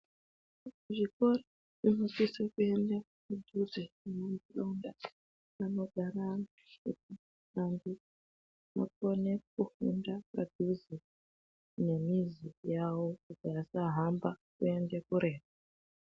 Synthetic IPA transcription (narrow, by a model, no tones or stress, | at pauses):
ʐiko̞ro | ʐino̞sisakue̞nda | kudʱuziinombulaunda | ano̞ɡʱaɾa | ut̚i | ambi | ma̰kone̞kuhundapa̰dʱuzi | ne̞mizijawokuɡajasaɦambakue̞ndekuɾe̞ːra